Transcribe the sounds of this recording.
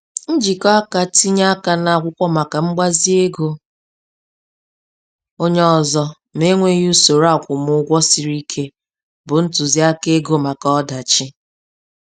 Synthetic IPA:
n̩˦d͡ʒi˨kɔ˦a˦ka˨ti˦ɲa˦a˦ka˨na˨kʷʊ˦kʷɔ˦ma˨ka˨ŋ͡m̩˦ɡ͡ba˦zi˦e˦ɡo˦ | o˦ɲ˦ɔ˨zɔ˦ | m˦e˦ŋʷe˦ju˦so˨ɾa˦˨kʷʊ˨m˦ʊ˦ɡʷɔ˦si˨ɾi˦kʰe˦ | bʊ˨n̩˦tʊ˨zi˦a˦ke˦ɡo˦ma˨ka˨ɔ˦da˨t͡ʃi˦

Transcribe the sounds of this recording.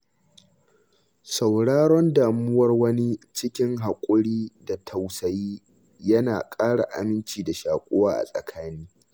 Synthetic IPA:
sa˨wɽaː˦ɽɔ˦ndaː˨mʊ˦wɐ˦rwɐ˦ni˦t͡ʃɪ˦kʲɪ˦ŋɦa˨kʷʼʊ˦ɽiː˦da˨tʰa˨wsɐ˨jiː˦ | jɐ˦naː˨kʼaː˦ɽa̰˨ʔa̰˨mɪ˦nt͡ʃiː˨da˨ʃaː˨kʷʼoː˦waː˦ʔa̰˨sʼɐ̰˨kʰaː˦niː˦

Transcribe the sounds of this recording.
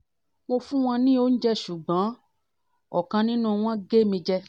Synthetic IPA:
mo˧fũ˦w̃ɔ̃˧nĩ˦o˦n̩˦d͡ʒɛ˦ʃu˨ɡ͡bã˨˦ | ɔ˨kã˧nĩ˦nũ˦˨˧w̃ɔ̃˦ɡe˦mĩ˧d͡ʒɛ˦

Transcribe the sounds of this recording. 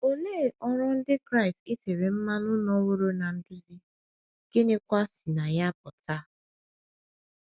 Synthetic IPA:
o˦leː˦˨ʔɔ˦ɾʊ˦n̩˦dɪ˦kɾa˦ɪ˨stɪ˦sɪ˨ɾɪ˨m̩˦ma˦nʊ˦nɔ˦wo˦ɾo˦na˨n̩˦dʊ˦zi˦ | ɡ̥ɪ˦nɪ˦kʷa˦si˨na˨ja˦pʊ˨ta˦

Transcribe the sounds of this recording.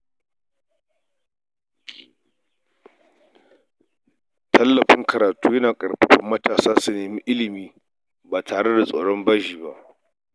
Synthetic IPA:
tʰɐ˦lːɐ˨ɸɪ˦ŋkɐ˨ɾaː˨tuː˦jɐ˦naː˨kʼɐ˨ɽɸɪ˦ɸɐ˦mːɐ˦taː˨saː˦su˨neː˨mi˦ʔɪ˦lɪ˨miː˦ | baː˨tʰaː˨ɽe˦da˨sʼoː˨ɽɔ˦mbaː˦ʒiː˨ba˦ʔ

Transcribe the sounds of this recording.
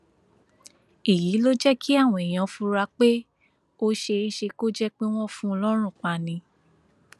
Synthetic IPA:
i˨ji˨˦lo˦d͡ʒɛ˦ki˦a˦˨w̃ɔ̃˧i˨j̃ã˨˧fũ˧ɾa˧k͡pe˦ | o˦ʃe˧i˦ʃe˧ko˦d͡ʒɛ˦k͡pe˦w̃ɔ̃˦fũ˦˧lɔ˦ɾ̃ũ˦˨k͡pa˨nĩ˧˦

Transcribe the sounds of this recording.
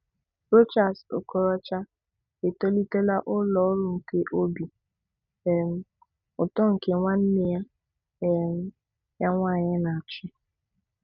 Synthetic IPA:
ɾo˦t͡ʃa˨sʊ̰˨kɔ˨ɾɔ˦t͡ʃa˦ | e˨to˦li˦te˦la˦ʔʊ˦lɔ˨˦ɾʊ˨ŋ̩˨ke˦ʔo˦bi˨ | e˨m̩˦ | ʊ˨tɔ˦ŋ̩˨ke˦ŋʷa˦n̩˦nɪ˦ja˦ | e˨m̩˦ | ja˦ŋʷa˦˨ɲɪ˦na˨t͡ʃʊ˦

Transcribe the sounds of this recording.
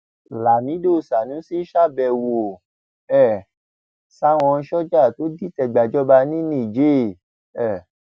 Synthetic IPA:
la˨nĩ˨˦do˦˨sa˨nũ˨˦si˦ʃa˦˨bɛ˧˨wo˨ | ɛ˦˨ | sa˦w̃ɔ̃˧n̩˧ʃɔ˦d͡ʒa˦˨to˨˦di˦˨tɛ˧ɡ͡ba˨d͡ʒɔ˦ba˧nĩ˦nĩ˦˨d͡ʒe˦˨ | ɛ˦˨

